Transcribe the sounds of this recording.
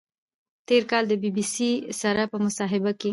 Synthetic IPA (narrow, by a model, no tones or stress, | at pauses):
t̪eɾkɑld̪əbibisisaɾapəmʊsɑɦɪbake